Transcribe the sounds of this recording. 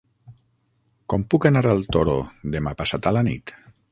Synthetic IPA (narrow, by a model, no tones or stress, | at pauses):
kɔmpukanaɾalˠt̪oɾod̪emapasat̪alanḭt̪